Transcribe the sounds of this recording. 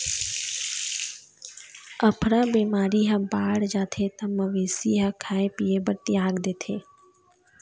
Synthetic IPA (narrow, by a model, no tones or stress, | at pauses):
əpʰɾaːbiːmaːɾiːɦə̃baːɽd͡ʒaːt̪ʰeːt̪əməʋeːsiːɦəkʰaːẽpiːebəʈːiːaːɡd̪eːt̪ʰeː